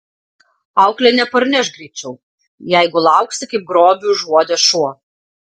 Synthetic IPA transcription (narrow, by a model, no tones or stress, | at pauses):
ɑˑʊklʲɛnʲɛpɐɾʲnʲɛʃɡɾʲiːt͡ʃʲɛʊ | jæɪɡʊlˠɑˑʊksʲɪkɐɪp̚ɡɾoːbʲuːʒuɔd̪ʲɛʃuɔ